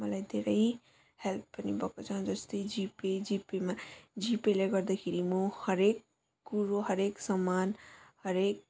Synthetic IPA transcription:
mɐlaid̪eɾɐɦĩ | hɛlpːənibɔkət͡ʃãd͡ʒəst̪ed͡ʒiped͡ʒipemed͡ʒipeleɡəɾd̪ekʰiɾimohəɾeːk̚ː | uɾoɦəɾeːksamaːnhəɾeːk̚

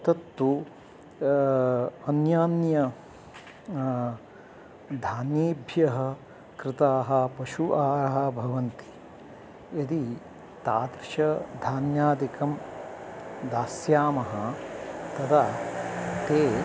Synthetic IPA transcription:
t̪ɐt̪ːu | ɐnjaːnjɐ | d̪ʱaːneːbʱjɐɦɐ̆ | kɾɪt̪aːɦɐ̆pɐʃuʔaːɾɐɦɐ̆bʱɐʋɐnt̪i̥ | ɐd̪i | t̪aːd̪ɾʃɐd̪ʱaːnjaːd̪ikɐm | d̪aːsjaːmɐɦɐt̪ɐt̪ʰa | t̪eː

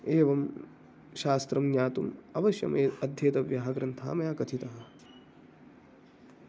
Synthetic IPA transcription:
eːʋɐm | ʃaːst̪ɾɐmnjaːt̪umɐʋɐʃjɐ̰meːɐd̪ʱjeːt̪ɐʋjaːɦɐɡɾɐnt̪ʰa̰ːmɐjaːkɐt̪ʰit̪ɐɦɐ

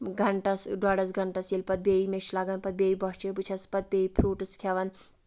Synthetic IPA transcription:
ɡʱɐɳʈɐsɖaɽɐsɡʱɐɳʈɐselpɐt̪̚beimeʃlaɡɐnpɐt̪̚beibɔɦt͡ʃeput͡ʃʰɐspɐt̪̚bʲeipʰɾuːʈɨskʰaʋɐn

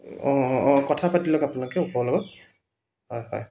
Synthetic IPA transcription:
ɔɔkɔtʰapatilɔkapunɔkɛupɔlɔɡɔ | hɔjhɔ̰j

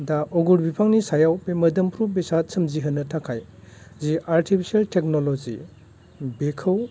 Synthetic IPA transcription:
daʔɔɡuɾbipʰaŋnisajawpemɐdɐmpʰɾubesat̚sɐmziɦɯnːɐtʰakʰaj | ziaɾtʰipʰi̥sialtʰek̚nolɔzi | bekʰɯw

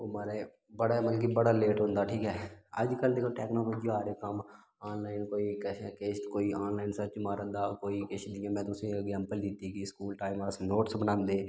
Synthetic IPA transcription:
oːmaːɾe | bəɽaməlkiːbəɽaːleːʈɦʊ̃nd̪aːʈʰiːkɦɛːəd͡ʒkəld̪eːkəʈɛːknãːpəd͡ʒaːɾeːkəm | aːnlaːɪnkoːiːkɛsãkeːʃt̪koːiːaːnlaːɪnsət͡ʃmaːɾəd̪aːkoːiːkeːʃd̪ɪjãːmɛ̃ːt̪ʊsĩːɪɡzɛ̃ːmpəld̪ɪt̪iːɡiːskuːlʈaːimasnoːʈsbənãːnd̪eː

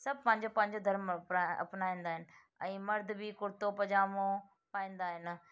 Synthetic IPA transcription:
sɐbʱpɐ̃ɦɪ̃ɲd͡ʑopɐ̃ɦɪ̃ɲd͡ʑod̪ʱɐɾmɐ̰pnaːĩːnd̪aːɦɪnɪ̆ | ɛ̃ːmɐɾd̪ʱbikʊɾt̪opɐd͡ʑaːmõ | paːĩːnd̪aːɦɪnɪ

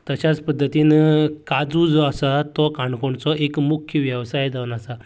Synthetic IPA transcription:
t̪ət͡ɕat͡spəd̪ʱːət̪iːnkad͡zud͡zɔasat̪ɔkãɳkoɳt͡sɔʔekmukʰjəʋjəʋsajd͡z̪ʱaʋnasa

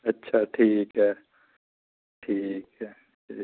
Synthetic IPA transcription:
ɐtːʃʰaʈʰiːkɦɛ | ʈʰiːkɦɛ | ʈʰiː

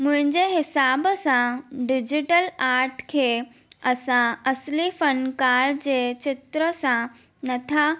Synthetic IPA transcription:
mʊ̃ɦɪ̃ɲd͡ʑeɦɪsaːbsãɖɪd͡ʑɪʈəlaːɾʈkʰeː | ɐsãɐslifənkaːɾd͡ʑeːt͡ɕɪt̪ɾəsã | nɐt̪ʰa

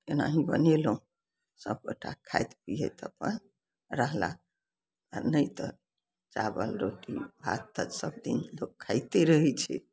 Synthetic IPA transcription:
kena̰ɦĩbə̰nelũ | səb̚kəʈʰakʰajt̪pijḛt̪ʰəpən | ɾəɦla̰ | ənəjt̪ə | t͡ʃabəlɾoʈibʱa̰t̪ːəd͡ʒsəb̚d̪ḭnlokʰːajt̪eɾəɦɛt͡ʃʰɛ

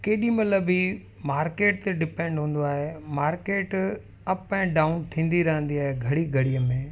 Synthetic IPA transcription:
keːɗĩmɐləbi | maːɾkeːʈt̪eɖɪpɛ̃ɳɖɦũːn̆d̪oaːɦemaːɾkeːʈ | ɐpɐɪ̃ɖaːʊnt̪ʰĩːn̆d̪iɾɐɦə̃nd̪iaːɦeɡʱɐɽiɡʱɐɽijəmẽː

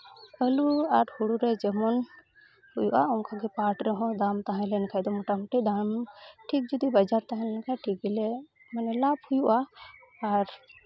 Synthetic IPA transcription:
əluaɾhuɽuɾɛd͡ʒɛmɔn | hujṵʔaɔmkʰaɡɛpaʈɾɛɦɔ̃d̪amt̪aɦãlɛnkʰajd̪ɔmɔʈamuʈid̪amʈʰik̚d͡ʒɔd̪ibad͡ʒaɾt̪aɦãlɛnkʰaʈʰikilɛ | manɛlabhujuʔaː | ɾ

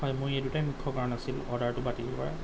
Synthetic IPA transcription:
ɦɔjmʊjedutajmikʰːɔkaɹɔnasilɔ̰daɹtʊbatibɔpaɹa̰

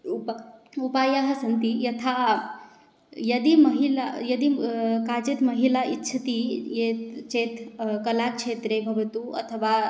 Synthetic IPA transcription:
upupaːjaɦɐsɐnt̪ijɐt̪ʰa | jɐd̪imɐɦilajɐd̪ikaːd͡ʒet̪mɐɦilaʔitːʃʰɐt̪ijet̪t͡ʃeːt̪ʰkɐlakt͡ʃʰeːt̪ɾebʱɐʋɐt̪uɐ̰t̪ʰəʋa

